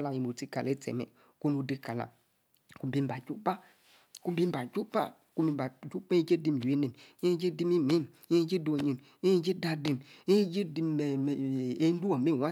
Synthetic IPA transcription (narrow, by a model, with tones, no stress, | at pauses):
la˨i˨mo˨ti˦ka˨le˦tɛ̰˨mɛ̰˨ | ku˦nu˦di˦ka˨la̰˨ | ku˦bi˦m˦ba˨d͡ʒu˦pa˦ | ku˦bi˦m˦ba˨d͡ʒu˦pa̰˦˨ | ku˦mi˦ba˨d͡ʒu˦pd͡ʒe˦di˦m˨je˦ne˨me˦d͡ʒe˦di˦mi˦me˦˨m | e˦d͡ʒi˦do˨ɲi˨n | e˦d͡ʒe˦da˦di˨me˦d͡ʒi˦di˦˨e˦n˦du˦a˨me˦˨wa˦